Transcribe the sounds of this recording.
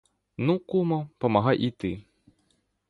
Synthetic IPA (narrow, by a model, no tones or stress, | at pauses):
nukumɔpɐmɐɦɑjʔit̪ɪ